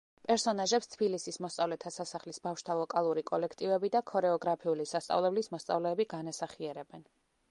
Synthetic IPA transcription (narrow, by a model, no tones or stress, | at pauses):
pʼɛɾsɔnaʒɛpst̪ʰbilisismɔst̪sʼavlɛt̪ʰasasaχlisbafʃt̪ʰalˠɔkʼalˠuɾikʼɔlɛkʰt̪ʼivɛbid̪akʰɔɾɛɔɡɾapʰiulisast̪sʼa̰vlɛblismɔst̪sʼa̰vlɛːbiɡanasaχiɛɾɛbɛn